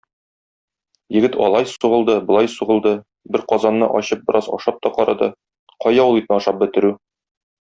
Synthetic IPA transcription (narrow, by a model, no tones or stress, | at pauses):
jɘ̆ɡɘt̪ɒ̰lˠɑjsuʁɤ̆lˠd̪ɤbŏlˠɑjsuʁɤ̆lˠd̪ɤ | bɘɾqɒzɑnːɤ̰ʔɒɕɤp̚bɤ̆ɾʔɑzɒ̰ʃɑp̚t̪ɒqɒɾɑd̪ɤ | qɒjɑwulˠit̪nɤɒʃɑp̚bɘ̆t̪ɘ̆ɾʉ